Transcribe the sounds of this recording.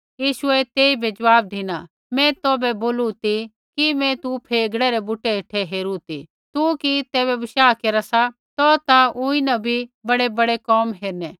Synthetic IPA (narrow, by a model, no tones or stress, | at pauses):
jiːʃʊɛt̪eːibʱɛd͡ʒɐʋaːb̚d̪ʱina | mɛ̃t̪oːbɛboːlut̪i | kimɛ̃t̪upʰeːɡɽɛɾɛbuʈeɦeʈʰɛɦeːɾut̪ḭ | t̪ukit̪ɛːβɛbɪʃaːkeːɾasa | t̪ɔt̪aʊ̃ĩnabʱibɐɽebɐɽekɔːmɦeːɾnɛː